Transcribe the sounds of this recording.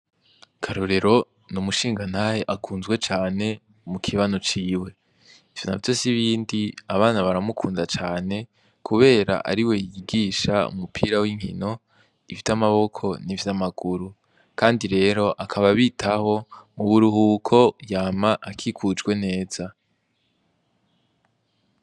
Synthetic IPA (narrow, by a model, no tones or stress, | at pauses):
kʰaɾoɾe̞ɾo̞ | numuʃiːŋɡan̥haheʔakʰuːnzwet͡ʃaːne̞ | mukʰiβanot͡ʃiːwe̞ | iv̥jona̰vjo̞siβiːndiaβaːnaβaɾamukʰuːndat͡ʃaːne̞ | kʰuβe̞ːɾa̰ʔa̰ɾiwe̞jiiɡiːʃaṵmupʰiːɾawiŋ̥hḭno̞ | ivjamaβo̞kʰo̞nivjamaɡuɾu | kaːndiɾe̞ːɾo̞ʔakʰaβaβitʰaho̞muβuɾuɦukʰo̞jaːmaʔakʰikʰud͡ʒɡwe̞ne̞ːz̥a